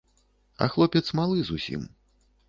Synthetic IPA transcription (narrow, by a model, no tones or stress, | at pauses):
ɐ̰xlˠɔpʲɛt̪smalˠɨzusʲḭm